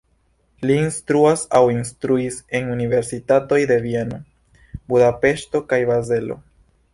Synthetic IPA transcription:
liːnstɾuasawinstɾuise̞nunive̞ɾsitato̞jde̞vie̞no̞ | budape̞ʃto̞kajbaze̞lo̞̰

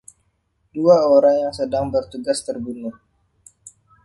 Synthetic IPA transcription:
d̥uaoɾaŋjaŋsədaŋbərt̪uɡast̪ərbunʊh

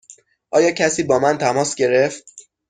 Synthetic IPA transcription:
ʔɒːjɒːcʰæsiːbɒːmænt̪ʰæmɒːsɟe̞ɾe̞ft̪̚

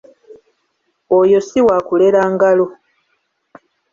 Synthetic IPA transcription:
ojo̞siwaːkuleɾaːŋɡalo

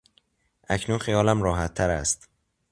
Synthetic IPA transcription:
ʔæcʰnunxijɒːlæmɾɒːɦæt̪ʰːæɾæst̪

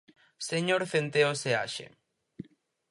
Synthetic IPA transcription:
seɲoɾθent̪eosea̰ʃḛ

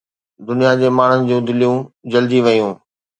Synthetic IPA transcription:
d̪ʊnijad͡ʑeːmaːɳ̤ənɪ̆d͡ʑũːd̪ɪlijũd͡ʑɐld̪iʋɐjũː

